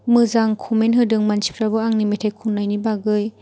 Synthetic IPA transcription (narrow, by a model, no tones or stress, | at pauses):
mɯzaŋkʰumenɦɯdɯŋmant͡ʃi̥pɾabɯaŋnimetʰajkʰunːajnibaɡɯj